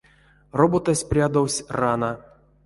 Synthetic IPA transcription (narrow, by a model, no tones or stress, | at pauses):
robot̪asʲprʲad̪owsʲrana